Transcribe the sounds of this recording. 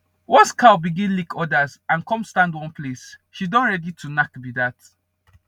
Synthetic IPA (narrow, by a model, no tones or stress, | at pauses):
wɔ̃nskʰawbiɡĩnlikʰɔdazãnkɔ̃mstãndwɔ̃npʰlesʃidɔ̃nɹɛditʰunakbidat